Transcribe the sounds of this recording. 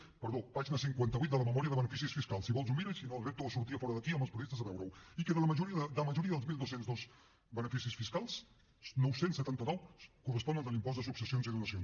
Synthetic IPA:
pəɾðopaʒinəsiŋkwant̪əβuit̪̚d̪ələməmɔɾiəðəβənəfisisfiskalˠsːiβɔlˠz̬umbiɾəsinoəlˠrep̚t̪uðəsuɾt̪ifɔɾəðəkiəmbəlˠspɾuðest̪əzəβɛwɾəwikeðələməʒuɾiəðəðələməʒuɾiəðəlˠzmilˠd̪owsenzðoz | bənəfisisfiskalˠs | nɔwsensːət̪ant̪ənɔwkurəspɔnənəlimpɔzd̪əsuksəsionziðunəsons

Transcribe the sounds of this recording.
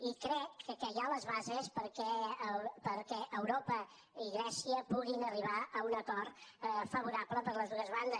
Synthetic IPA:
ikɾɛkʰːəkəjaləzβazespəɾkɛ | pəɾkɛʔəwɾopə | iɣɾɛsiəpuɣinəriβ̞aəunəkɔrt̪fəβ̞uɾapləpəɾləzðuəzβand̪ə

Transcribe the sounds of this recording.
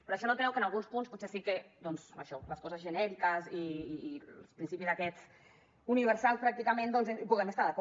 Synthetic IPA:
pɾɔaʃɔnot̪ɾɛwkənalˠɣunspunsput̪sɛsiked̪ɔnza̰ʃɔləskɔzəzʒənɛɾikəziː | spɾinsipizðakɛt͡s | uniβəɾsalˠspɾak̚t̪ikamend̪ɔnzebuɣɛmest̪aðəkɔ

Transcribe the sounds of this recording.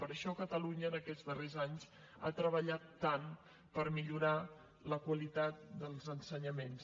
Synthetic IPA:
pəɾəʃɔkət̪əluɲəːnəkɛd͡zdərezaɲs | a̰t̪ɾəβəʎat̪ːan | pəɾmiʎuɾa | ləkwəlit̪at̪̚d̪əlˠzənsəɲəmens

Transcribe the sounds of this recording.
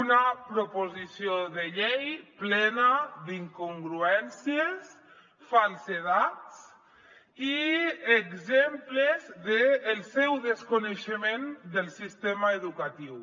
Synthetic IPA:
unapɾopozisioðəʎejplɛnad̪iŋkuŋɡɾuɛnsies | falˠseðat͡s | ieɡzemplezðeːlˠsɛwðeskuneʃəmend̪əlˠsist̪emaeðukat̪iw

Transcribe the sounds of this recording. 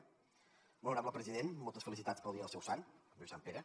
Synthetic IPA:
bəluwɾaməlˠpɾəziðenmːɔlˠt̪əsfəlisit̪at͡spəlˠd̪iəːlˠsɛwsanbiwsampeɾə

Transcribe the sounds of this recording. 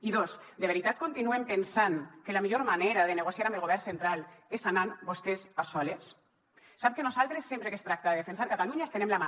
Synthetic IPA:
iðos | d̪eβeɾit̪at̪̚kont̪inuempensaŋkelamiʎoɾmaneɾaðeneɣosiaɾambelɣoβɛrnsent̪ɾalesanambost̪esasɔlesː | ap̚kenozalˠt̪ɾesːempɾekest̪ɾak̚t̪aðeðefensaɾkat̪aluɲaest̪enemlama

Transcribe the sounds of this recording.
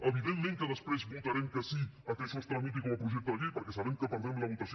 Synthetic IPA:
əβ̞iðemːẽŋkəðəspɾezβut̪ɐɾɛmkəsiakɛʃɔst̪amut̪̬ikɔməpɾuʒɛk̚t̪əðəkipəɾkɛsaβɛmkəpəɾd̪ɾɛmləβut̪ɐsj

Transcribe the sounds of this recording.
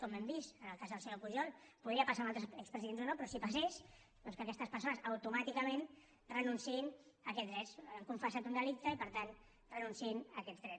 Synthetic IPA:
kɔmːɛmbisənəlˠkazðəlˠsɛlopuʒɔlˠpuðiəpasamalˠt̪ɾəɛkspɾəziðenzonopɾɔsipases | ðɔnskəkɛst̪əspəɾsonəsəwt̪umat̪ikəmen | rənunsiinəkɛt̪zðɾɛsəŋkuɱfəsat̪und̪əlik̚t̪əipəɾt̪an | rənunsiinəkɛt̪d͡zðɾɛ

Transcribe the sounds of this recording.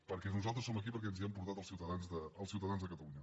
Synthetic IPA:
pəɾkɛnuzalˠt̪ɾəsoməkipəɾk̬ɛnziəmpuɾt̪at̪əlˠsiwt̪əðanzðəəlˠsiuwt̪əðanzðəkət̪əluɲə

